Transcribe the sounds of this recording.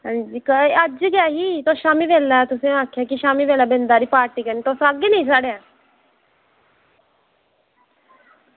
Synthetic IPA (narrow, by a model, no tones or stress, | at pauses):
ɦãːd͡ʒiːkəd͡ʒɡɪaːɦiːt̪oːʃaːmiːʋɛːlaːt̪ʊsẽːaːkʰːjaːkɪʃaːmiːʋeːlaːbɪnd̪aːɾiːpaːɾʈiːkəniːt̪oːsəɡeːnəĩːs̬aːɽeːaː